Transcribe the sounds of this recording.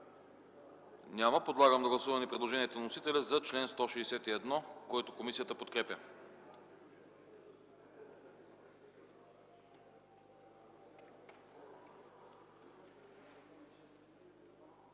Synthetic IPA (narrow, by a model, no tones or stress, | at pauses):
nʲaməpod̪lˠaɡəmd̪ɐɡlˠɐsuvɐmɛnɛpɾɛd̪lˠoʒɛniɛt̪onnosit̪ɛlʲɛzɐt͡ʃlɛnst̪ɔʃiːsɛt̪iɛd̪nɔkoɛt̪okomisijət̪əpot̪kɾɛpʲə